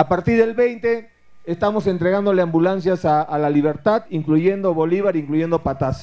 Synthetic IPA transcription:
apaɾt̪iɾðelβejnt̪e̞ | est̪amo̞se̞nt̪ɾe̞ɣand̪o̞leambulans̬jasaːlaliβ̞e̞ɾt̪aðiŋkluʝe̞nd̪o̞βoliβaɾiŋkluʝe̞nd̪o̞pat̪as

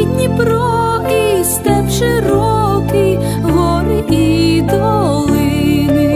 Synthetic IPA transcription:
id̪ʲnʲipɾɔ | kist̪ɛwʃeɾɔki | ɦɔɾɪid̪ʋɔlˠɪnɪ

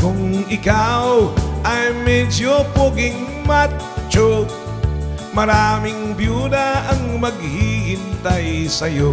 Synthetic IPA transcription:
kʊŋɪkawʔɐjmɛd͡ʒopoɡɪŋ | ma | t͡ʃo | mɐɾaːmɪŋbjuːd̪ɐɐŋmɐɡ̚hihɪnt̪ajsɐjo

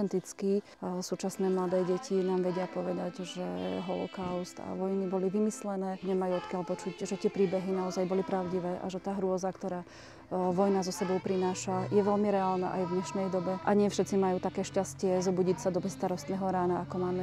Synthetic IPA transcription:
ɛnt̪it͡ski | suːt͡ʃasnɛːmlad̪ɛːɟɛcʰinaːmʋɛɟɪapɔʋɛd̪aɟʒɛɦɔlɔ̰kaʊst̪a̰ʋɔjnibɔliʋimislɛnɛːɲɛmajuɔt̪kɪalpɔt͡ʃuɟʒɛt̪ɪɛpɾiːbɛɦinaɔzajbɔlipɾaʊɟiʋɛːʔa̰ʒɛt̪aːɦɾʊɔzakt̪ɔɾaː | ʋɔjnazɔsɛbɔʊpɾinaːʃajɛʋɛlmiɾɛaːlna̰ʔa̰jvɲɛʃnɛjd̪ɔbɛʔaɲɪɛfʃɛt̪t͡simajuːt̪akɛːʃcascɪɛzɔbuɟicsad̪ɔbɛsːt̪aɾɔst̪nɛːɦɔɾaːnaakɔmaːmɛ

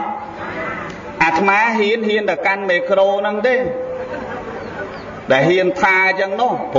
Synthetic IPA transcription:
ʔaːt̪ʰmaːɦiənɦiənt̪aəwkanmeːkroːnɨŋɗ̪eː | ɗaɛlɦiənp̪ʰaːt͡ɕəəŋnoəhpʰː

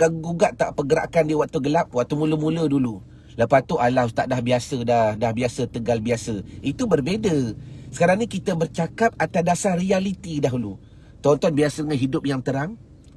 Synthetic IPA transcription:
ɡaɡuɡaʔt̪a̰ʔpəɡəɾa̰ʔkandiəwaʔt̪uɡəlap̚waʔt̪umũləmulədulu | ləpat̪uʔalat̪aʔdahbiasədahdahbiasət̪əɡalbiasəit̪ubərbedəsə̥kaɾaŋɲikit̪əbərt͡ʃakap̚at̪adasahrialit̪idaɦulu | t̪ɔnt̪ɔnbiasədəŋanɦidʊp̚jaŋt̪əɾaŋ

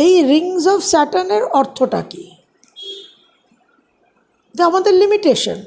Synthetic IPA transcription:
ejɾiŋzɔfsɛʈaneɾɔɾt̪ʰoʈa̰ki | d͡ʑamad̪eɾlimiʈeʃo̰n

